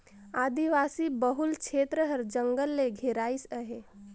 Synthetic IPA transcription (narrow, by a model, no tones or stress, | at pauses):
aːd̪iʋaːsibəɦʊlkʰeːt̪ɾəɦəɾd͡ʒə̃ŋɡəlːeɡʱeɾaːisəɦe